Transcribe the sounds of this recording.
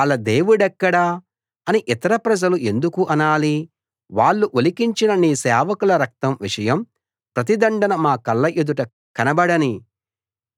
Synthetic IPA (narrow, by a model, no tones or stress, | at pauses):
ɐɭɐd̪eːʋuɽɛkːɐɽa | ɐniʔit̪ɐɾɐpɾɐd͡ʒɐluʔe̞nd̪ukuʔɐnaːli | ʋaːɭːuʔolikiɲt͡ʃinɐniːsɛːʋɐkulɐɾɐk̚t̪ɐmʋiʂɐjɐm | pɾɐt̪̬id̪ɐɳɖɐnɐmaːkɐlːɐʔed̪uʈɐ | kɐnɐbɐɽɐni